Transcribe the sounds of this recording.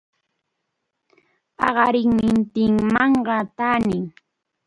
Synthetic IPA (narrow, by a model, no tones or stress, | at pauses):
ɑ̰ɢɑɾɪŋmɪnt̪ɪŋmɑɴɢɑt̪aːnɪŋ